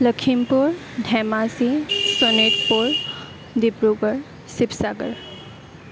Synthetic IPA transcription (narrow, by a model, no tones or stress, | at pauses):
ləkʰimpuɹ | ɖʱɛmasisoneʈpuɹ | d̪ibɹuɡəɹ | sipsaɡəɹ